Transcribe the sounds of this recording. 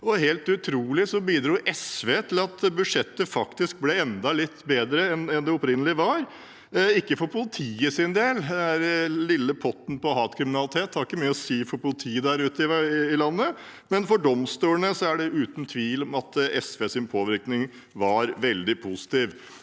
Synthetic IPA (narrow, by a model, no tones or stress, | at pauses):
ɔheːlt̪ʉt̪ʰɾuːlɪsɔbiːd̪ɾuːʔɛsʋeːt̪ʰɪlɑt̪bʉd̪ʂɛt̪ːəfɑkt̪ɪsk̚blɛɛnd̪ɑlɪt̪ːbeːd̪ɾəɛnɛnd̪ɛɔpɾɪnːəlɪʋɑɾ | ɪkːəfɔɾpʰʊlɪt̪ʰiːəsɪnd̪eːlæɾlɪlːəpʰɔt̪n̩pɔɦɑːt̪kʰɾɪmɪnɑlɪt̪ʰeːt̪hɑɾɪkːəmyːəɔsiːfɔɾpʊlɪt̪ʰiːəd̪æɾʉːt̪əɪɪlɑnːə | mɛnfɔɖɔmst̪uːəɳəsɔæɖɛʔʉːt̪n̩t̪ʰʋiːlɔmɑt̪ɛsʋeːsɪnpʰoːʋɪɾknɪŋ | ʋɑɾʋɛld̪ɪpʰʊsɪ̥t̪iːʋ